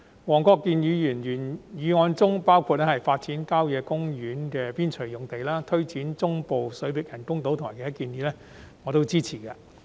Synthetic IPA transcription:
wɔː˨˩ŋkɔː˧kːiː˧njyː˨˧jyː˨˩njyː˨˩njyː˨˧ŋɔː˨˧nt͡sʊ˥ŋpaː˥wkʰuː˧t̚lɛ˥hɦɐ˨jfaː˧t̚t͡siː˨˥nkaː˥wjɛː˨˧kʊ˥ŋjyː˨˥nkɛː˧piː˥nt͡ʃʰɵ˨˩jʊ˨˩ŋt̪e˨jlaː˥t̪ʰɵ˥ɥt͡siː˨˥nt͡sʊ˥ŋpo˨wsɵ˨˥ɥpɪ˨k̚jɐ˨˩nkʊ˥ŋt̪o˨˥wt̪ʰʊ˨aː˨˩kɛː˨˧˦ɐ˥kiː˧njyː˨˧lɛː˥ | ŋɔː˨˧t̪o˥wt͡siː˥t͡sʰiː˨˩kaː˧

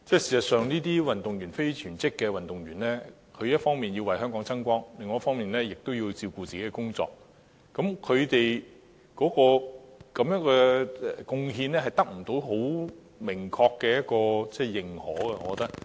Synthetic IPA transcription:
t͡sɛː˥siː˨˩sɐ˨t̚sœː˨ŋniː˥t̪̬iː˥wɐ˨nt̪ʊ˨ŋjy˨˩nfe˥jt͡ʃʰyː˨˩nt͡sɪ˥kːɛː˧wɐ˨nt̪ʊ˨ŋɥyː˨˩nlɛː˥ | kʰɵ˨˧ɥjɐ˥t̚fɔː˥ŋmiː˨njiː˧wɐ˨jɦœː˥ŋkɔː˨˥ŋt͡sɐ˥ŋkʷɔː˥ŋlɪ˨ŋːɔː˨˦jɐ˥tfɔː˥ŋmiː˨nlɛː˥jɪ˨k̚t̪o˥wji˧t͡siː˧wkuː˧t͡siː˨ke˦˥kɛː˧kʊ˥ŋt͡sɔ̰ː˧k̚ː | ɐ˨˥mkʰɵ˨˧ɥt̪e˨j | kɔː˨˥kɔː˧kɐ˨˥mjœː˨˥ŋkɛː˧ɛ˨kʊ˧ŋɦiː˧nlɛː˥ɦɐ˨jt̪ɐ˥k̚m̩˨˩t̪o˨˥wɦo˨˥w | mɪ˨˩ŋkʰɔː˧kːɛː˧jɐ˥t̚kɔː˧t͡sɛː˥˩jɪ˨˩ŋhɔː˨˥ɡɛ˧ɔː˨˧kːɔ˨˧˥t̪ɐ˥k̚

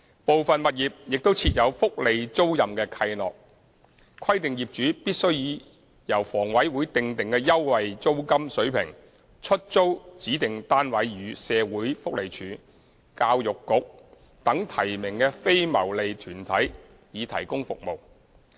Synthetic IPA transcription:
po˨wfɐ˨nmɐ˨t̚jiː˨p̚jɪ˨k̚t̪o˥wt͡sʰiː˧t̚jɐ˨˧wfʊ˥k̚le˨˧jt͡so˥wjɐ˨mkɛː˧kʰɐ˧jlɔ̰ː˨k̚ | kʰɐ˥jt̪ɪ˨ŋjiː˨˩p̚t͡ʃyː˨˥piː˥t̚sɵ˥ɥjiː˨˧ | jɐ˨˩wfɔː˨˩ŋwɐ˨˥jwuː˨˥jt̪ɪ˨ŋt̪ɪ˨ŋkɛː˧jɐ˥wwɐ˨jt͡so˥wkɐ˥msɵ˨˥ɥpʰɪ̰˨˩ŋ | t͡ʃʰɵ˥t̚t͡so˥wt͡siː˨˥t̪ɪ˨ŋt̪aː˥nwɐ˨˥jjyː˨˧˥sɛː˨˧wuː˨˥jfʊ˥k̚le˨˩jt͡ʃʰyː˨˧ | kaː˧wjʊ˨kːʊ˨k̚ | t̪ɐ˨˥ŋt̪ʰɐ˨˩jmɪ˨˩ŋkɛː˧fe˥jmɐ˨˩wle˨jt̪ʰyː˨˩nt̪ʰɐ˨˥j | jiː˨˧t̪ʰɐ̰˨˩jkʊ˥ŋfʊ̰˨k̚mo˨w

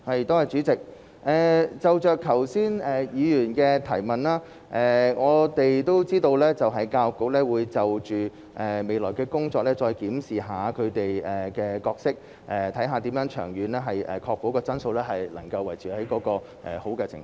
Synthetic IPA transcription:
hɐ˨jt̪oː˥hɐ˨jt͡ʃyː˨˥t͡sɪ˨k̚ | ʔɛː˨˩t͡sɐ˨wt͡ʃœː˨˧kʰɐ˨˩wsiː˥nɛː˨jiː˨˧jyː˨˩nkɛ˧t̪ʰɐ˨˩jmɐ˨nlaː˥ | ʔɛː˨ŋɔː˨˧t̪e˨jt̪o˥wt͡siː˥t̪o˧wlɛː˥t͡sɐ˨wɦɐ˨˩jkaː˧wʊ˨kːʊ˧˥k̚lɛː˥wuː˨˧jt͡sɐ˨wt͡ʃyː˨˩ | ʔɛː˨me˨jlɔ̰ː˨˩jkɛː˧kʊ˥ŋt͡sɔː˧k̚lɛː˥t͡ʃɔː˧jkiː˨˥msiː˨ɦaː˨˧kʰɵ˨˧ɥt̪e˨jɛː˨kɛː˧kɔː˧k̚sɪ˥k̚ | ʔɛː˨˩t̪ʰɐ˨˥jɦaː˨˧t̪i˨˥mjœː˨˥ŋt͡ʃʰœː˨˩ŋjyː˨˧nlɛː˥ɦɐ˨jɛ̰ː˨˩kʰɔː˧k̚po˨˥wkɔː˧t͡sɐ˥nso˧wlɛː˥ɦɐ˨jlɐ̰˨˩ŋkɐ˧wːɐ˨˩jt͡syː˨hɐ˨˥jkɔː˨˥kɔː˧ | ʔɛ̰ː˨˩ho˨˥wkɛ˧t͡sʰɪ̰˨˩ŋf

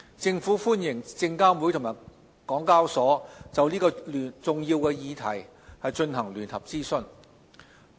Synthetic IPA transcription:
t͡sɪ˧ŋfuː˨˥fuː˥njɪ˨˩ŋt͡sɪ˧ŋkaː˥mwuː˨˥jt̪ʰʊ˨˩ŋmaː˨˩ | kɔː˨˥ŋkaː˥wsɔː˨˥t͡sɐ˨wliː˥kɔː˧lːnt͡sʊ˨ŋjiː˧wkɛː˧jiː˨˧t̪ʰɐ˨˩j | hɐ˨jt͡ʃɵ˧nɦɐ˨˩ŋlyː˨˩nhɐ˨˩p̚t͡siː˥sɵ˧n

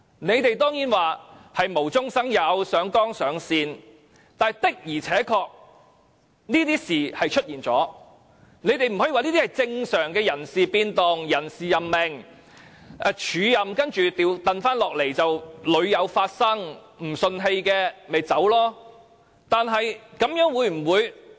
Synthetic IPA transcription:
ne˨˧jt̪e˨jt̪ɔː˥ŋjiː˨˥nwaː˨hɐ˨jmo˨˩wt͡sʊ˥ŋsɐ˥ŋjɐ˨˥wsœː˨˥ŋkɔː˥ŋsœː˨˧ŋsiː˧n | t̪aː˨jt̪ɪ˥k̚jiː˨˩t͡sʰɛː˨˥kʰɔː˧k̚ | niː˥t̪iː˥siː˨˩hɐ˨jt͡ʃʰɵ˥t̚jiː˨nt͡sɔ̰ː˨˥ | ne˨˧jt̪e˨jm̩˨˩hɔ˨˥iː˨waː˨niː˥t̪iː˥hɐ˨˩jt͡sɪ˧ŋsœː˨˩ŋkɛː˧jɐ˨˩nsiː˨piː˧nt̪ʊ˨ŋjɐ˨˩nsiː˨jɐ˨mːe˨˩ŋ | ɛ˨˧t͡ʃʰyː˨˧jɐ˨mkɐ˥nt͡ʃyː˨t̪iː˧wt̪ɐ˨nfaː˥nlɔː˨k̚le˨˩jt͡sɐ˨wlɵ˨˧ɥjɐ˨˧wfaː˧t̚sɐ˥ŋ | m̩˨˩sɵ˧nɦe˧jkɛː˧me˨jt͡sɐ˨˥wlɔː˥ | t̪aː˨nɦɐ˨jkɐ˨˥mjœː˨˥ŋwuː˨˧jm̩˨˩wuː˨˧j

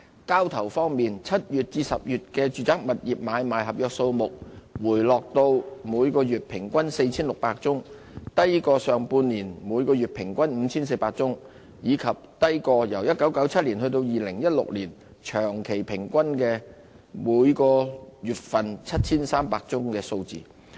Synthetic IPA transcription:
kaː˥wt̪ʰɐ˨˩wfɔː˥ŋmiː˨nt͡sʰɐ˥t̚jyː˨˩t̚t͡siː˧sɐ˨p̚jyː˨˩t̚kɛː˧t͡ʃyː˨˧t͡saː˥k̚mɐ˨t̚jiː˨p̚maː˨˧jmaː˨˩jɦɐ˨p̚jœː˨˧k̚so˧wmʊ˨k̚wuː˨˩jlɔː˨k̚t̪o˧wmuː˨˧jkɔː˧jyː˨t̚pʰɪ˨˩ŋkʷɐ˥nse˧jt͡sʰiː˥nlʊ˨k̚paː˧k̚t͡sʊ˥ŋ | t̪ɐ˥jkɔː˧sœː˨ŋpuː˧nliː˨˩nmuː˨˧jkɔː˧jyː˨t̚pʰɪ˨˩ŋkʷɐ˥nm̩ː˨˧t͡sʰiː˥ns̬e˧jpaː˧k̚t͡sʊ˥ŋ | jiː˨˧kʰɐ˨p̚t̪ɐ˥jkɔː˧jɐ˨˩wjɐ˥t̚kɐ˨˥wkɐ˨˥wt͡sʰɐ˥t̚liː˨˩nhɵ˧t̪o˧wjiː˨lɪ˨˩ŋjɐ˥t̚lʊ̰˨k̚liː˨˩n | t͡ʃʰœː˨˩ŋkʰe˨˩jpʰɪ˨˩ŋkʷɐ˥nkɛː˧ | muː˨˧jkɔː˧jyː˨t̚fɐ˨nt͡sʰɐ˥t̚t͡sʰiː˥nsaː˥mpaː˧k̚t͡sʊ˥ŋkɛː˧so˧wt͡sḭː˨

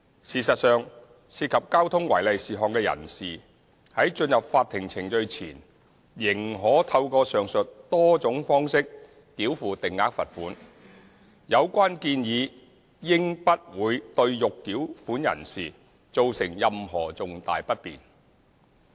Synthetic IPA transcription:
siː˨˩sɐ˨t̚sœː˨ŋ | siː˧t̚kʰɐ˨p̚kaː˥wt̪ʰʊ˥ŋwɐ̰˨˩jlɐ˨jsiː˨ɦɔː˨ŋkɛː˧jɐ̰˨˩nsiː˨ | hɐ˨˥jt͡ʃɵ˧njɐ˨p̚faː˧t̪ʰːɪ˨˩ŋt͡sʰɪ˨˩ŋt͡ʃɵ˧ɥt͡sʰḭː˨˩n | jɪ˨˩ŋɦɔː˨˥t̪ʰɐ˧wkɔː˧sœː˨˩ŋsɵ˨t̚t̪ɔː˥t͡sʊ˨˥ŋfɔː˥ŋsɪ˥k̚ː | iː˨˥wfuː˨˩t̪ɪ˨ŋːaː˨˥k̚fɐ˨t̚fuː˨˥n | jɐ˨˧wkʷaː˥nkiː˧njiː˨˧ | jɪ˥ŋpɐ˥t̚wuː˨˧˥jt̪ɵ˧ɥjʊ˨kːiː˨˥wfuː˨˥njɐ̰˨˩nsiː˨ | t͡so˨wsɪ˨˩ŋjɐ˨mɦɔ̰ː˨˩t͡sʊ˨ŋt̪a̰ː˨jpɐ˥t̚pḭː˨˩n

